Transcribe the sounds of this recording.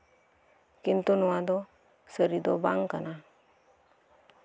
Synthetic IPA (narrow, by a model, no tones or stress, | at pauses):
kint̪unuwad̪ɔ | səɾid̪obaŋkana